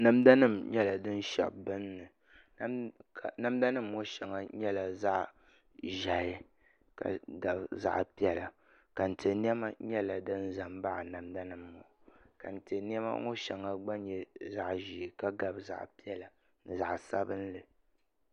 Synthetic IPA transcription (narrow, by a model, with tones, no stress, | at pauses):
na˨mda˦nɨ˦˨mɲɛ˦la˨dɨ˦n˦ʃɛ̰˨bɨ˦nː˦ɨ˨˦ | ka˨na˨mda˦nɨ˦mːo˦ʃɛ˨ŋa˦ɲɛ˦la˨za˦ʔ | ʒa˨jɪ˦ | ka̰˨ɡa˨bza̰˦ʔpi˦ɛ˦la˨ | ka˨n̩˨te˨ni˦ɛ˦ma˦ɲɛ˦la˨dɨ˦n˦za˨mba˦ʔa˨na˨mda˦nɨ˦mːo˨˦˨ka˨n̩˨te˨ni˦ɛ˦ma̰˦ŋo̰˦ʃɛ˨ŋa˨ɡ͡ba˦ɲɛ˦za˦ʔʒi˨ka˦ɡa˨bza̰˨ʔpi˦ɛ˦la˨ | nɨ˨za˨ʔsa˦bɨ˦n˦lɨ˨